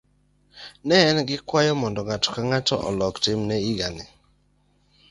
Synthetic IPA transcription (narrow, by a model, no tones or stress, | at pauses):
nɛːnɡɪkwajɔmɔndɔŋatɔ̥kaŋatɔ̰ʔɔ̰lɔktɪmnɛiɡanɪ